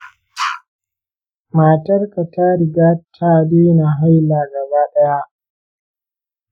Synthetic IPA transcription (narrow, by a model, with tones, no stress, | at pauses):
maː˨tɐ˦rka˨ta˦ɾɪ˨ɡaː˦tʰaː˦beː˦na˨ɦa˦jlaː˨ɡɐ˨baː˦ɗɐ˦ja˦ʔ